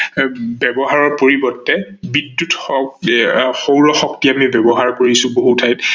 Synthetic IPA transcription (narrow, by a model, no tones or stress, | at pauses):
bɛbɔɦaɹɔɹpoɹibɔtːɛbidjut | xowɹɔxɔktiamibɛbɔɦaɹkoɹisʊ̃boɦutʰajt